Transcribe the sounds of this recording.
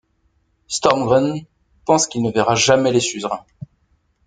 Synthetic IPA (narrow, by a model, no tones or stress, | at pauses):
st̪ɔʁmɡʁɛn | pɑ̃skʲilnəvɛʁaʒamɛlesyzʁɛ̃